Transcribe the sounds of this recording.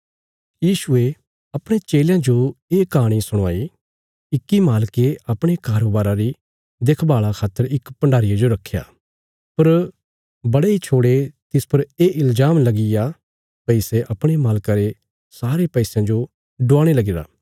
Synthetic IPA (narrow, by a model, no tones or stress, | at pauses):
jiːʃʊe | ɐpɽ̃et͡ʃeːljãd͡ʒoeːkaːɽ̃isʊɽ̃aːi | ɪkːimaːlkeɐpɽ̃ekaːɾoːbaːɾaɾi | d̪eːkʰbaːɭakʰaːt̪ːəɾɪkpɐ̃ɳɖʱaːɾɪjad͡ʒoɾɐkʰːeja̰ː | pɐɾ | bɐɽeit͡ʃʰoːɽet̪ɪspɐɾeːʔɪld͡ʒaːmlɐɡɪja | pɛɪseʔɐpɽ̃emaːlkaɾe | saːɾepɛɪsjãd͡ʒo | ɖʊaːɽ̃elɐɡɪːɾa̰ː